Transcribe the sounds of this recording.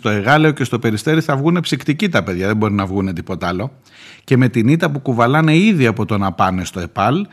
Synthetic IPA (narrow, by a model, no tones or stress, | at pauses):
t̪o̞e̞ɣɐle̞oce̞st̪o̞pe̞ɾist̪e̞ɾiθɐvɣune̞psikt̪icit̪ɐpe̞ðʝɐðe̞mbo̞ɾinɐvɣune̞t̪ipo̞t̪ɐlo̞ | ce̞me̞t̪init̪ɐpukuvɐlɐne̞iðiɐpo̞t̪o̞nɐpɐne̞st̪o̞e̞pɐl